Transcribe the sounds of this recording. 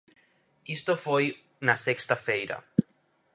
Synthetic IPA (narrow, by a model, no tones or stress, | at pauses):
ist̪ofoj | nasekst̪afejɾɐ̰